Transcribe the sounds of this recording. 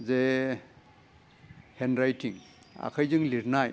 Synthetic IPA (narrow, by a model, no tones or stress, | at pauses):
ze | henɾajtiŋ | a̰kʰajzɯŋliɾnaj